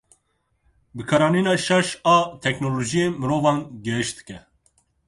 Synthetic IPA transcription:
bɨkʰɑɾɑːniːnɑːʃɑʃɑːt̪ʰɛknoloːʒijeːmɨɾoːvɑːnɡɛɦɨʃd̪ɨ̥kɛ

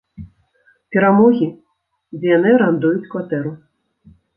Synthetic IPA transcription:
pʲɛɾamɔɣʲi | d͡zʲɛjanɨɾand̪ujut͡sʲkvat̪ɛɾu

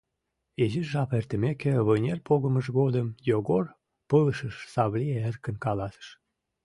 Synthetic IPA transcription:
eʒiʒɑpert̪ə̆mekĕβənʲelʲpoɣəməʃɣod̪əmjoɣor | pələʃəʃsɑβlʲieerkə̆nkɑlɑsə̥ʃ

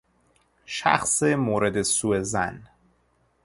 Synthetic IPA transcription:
ʃæ̰xsemoːɾed̪esuːezæ̰n

